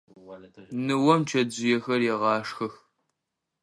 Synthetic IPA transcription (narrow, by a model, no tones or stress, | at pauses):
nɨwɐmt͡ʃʰɐd͡ʒɪjɛxɐrjɛʁɑːʂxɐx